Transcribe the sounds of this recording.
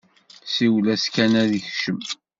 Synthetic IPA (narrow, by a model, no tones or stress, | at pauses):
siwlæskænæðiçʃəm